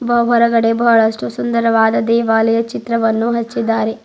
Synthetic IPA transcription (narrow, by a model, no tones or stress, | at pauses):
bɐwɦɐɾɐɡɐɽebɐɦɐɭɐʂʈusund̪ɐɾɐʋaːd̪ɐd̪ɛːʋaːlɐjɐt͡ʃit̪ɾɐʋɐnːuɦɐt͡ʃːid̪ːaːɾe